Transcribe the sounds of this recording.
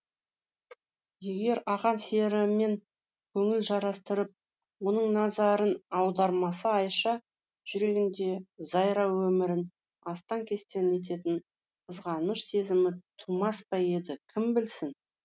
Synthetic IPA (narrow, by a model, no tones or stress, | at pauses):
je̞ɡʲe̞ɾɑʁɑnse̞ɾɪme̞ŋ | kʲʰɵŋɪlʒɑɾɑst̪əɾəp̚ | wo̞nəɴnɑzɑɾənɑwd̪ɑɾmɑsəɑjʃɑ | ʒ̥ʏɾe̞ɡʲɪnd̪e̞zɑjɾɑwɵmɪɾɪn | ɑst̪ɑŋkʲʰe̞st̪e̞ne̞t̪̬e̞t̪ɪn | qʰəzʁɑnəʃse̞zɪmɪt̪ʰumɑspɑje̞d̪ɪkʲʰɪmbɪlsɪn